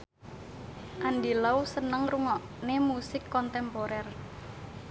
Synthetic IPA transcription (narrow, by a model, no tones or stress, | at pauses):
ʔandilausənəŋruŋɔʔ | nemusɪkːɔnt̪ɛmpoɾɛr